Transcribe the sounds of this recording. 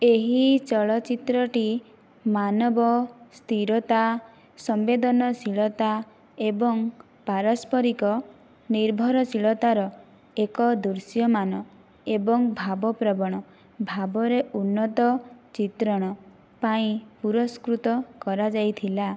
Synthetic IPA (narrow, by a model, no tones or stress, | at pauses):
eɦit͡ʃɔɭɔt͡ʃit̪ɾɔʈi | manɔbɔst̪ʰiɾɔt̪a | sɔmbed̪ɔnɔsiɭɔt̪a | ebɔŋ | paɾɔspɔɾikɔ | niɾbʱɔɾɔsiɭɔt̪aɾɔ | ekɔd̪uɾsjɔmanɔ | ebɔŋbʱabɔpɾɔbɔɽ̃ɔ | bʱabɔɾeunːɔt̪ɔt͡ʃit̪ɾɔɽ̃ɔ | paĩpuɾɔskɾut̪ɔkɔɾad͡ʒajt̪ʰila